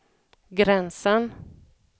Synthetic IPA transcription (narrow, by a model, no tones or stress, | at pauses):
ɡɾɛnsən